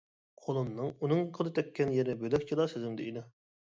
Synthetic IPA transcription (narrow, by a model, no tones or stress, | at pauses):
qʰolˠɨmnːɨŋunɨŋqʰəlˠɨt̪ʰɛkʲʰːɛnjeɾɪbølɛkʲt͡ʃʰilˠɑsɪzɪŋd̪ɪid̪ɪ